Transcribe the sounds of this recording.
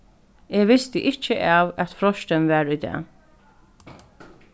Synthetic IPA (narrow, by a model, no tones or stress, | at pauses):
eːʋɪst̪əʔɪt͡ʃːəʔaːwæt̪fɾɔʃt̪ənʋæːɹʏd̪ɛ̰ː